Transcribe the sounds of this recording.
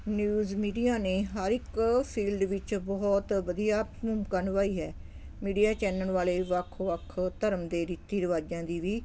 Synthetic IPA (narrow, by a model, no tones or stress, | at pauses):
njuːzmiːɖijaːneːɦəɾɪkpʰiːlɖʋɪt͡ʃbɔːt̪ʋəd̪ijaːmʊmkanʋaːiːɦɛː | miːɖijaːt͡ʃɛːnəɳʋaːleːʋəkʰʋəkʰt̪əɾəmd̪eːɾiːt̪ːiːɾɪʋaːd͡ʒãːd̪iːʋiː